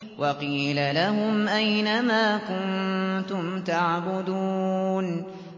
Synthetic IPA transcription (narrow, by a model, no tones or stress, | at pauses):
wʔɑqiːlalahʊmʔajnamaːkʊnt̪ʊmt̪aʕbʊd̪uːn